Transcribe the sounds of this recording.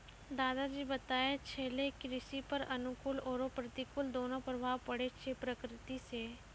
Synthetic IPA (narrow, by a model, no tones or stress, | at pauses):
d̪aːd̪ad͡ʒiːbɐt̪aːet͡ʃʰeːlekɾɪʃipɐɾɐnʊkʊlɔːɾopɾət̪ikʊld̪oːnõpɾəbʱaːʋpɐɽet͡ʃʰepɾəkɾɪt̪iseː